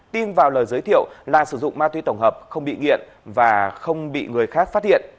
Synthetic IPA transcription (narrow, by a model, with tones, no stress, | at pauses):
t̪i˧nvaː˨˩wləː˨˩jzəː˨˦jt̪i˧˨əwlaː˨˩sɨ˧˩zʊ̰˧˨ŋ͡mmaː˧t̪wi˨˦t̪ə˧˩wŋ͡mɦəː˨˩p̚xə˧wŋ͡mɓḭ˧˨ŋḭ˧˨ən | vaː˨˩xə˧wŋ͡mɓḭ˧˨ŋɨ˨˩əjxaː˦˥k̚faː˦˥t̚hḭ˧˨ən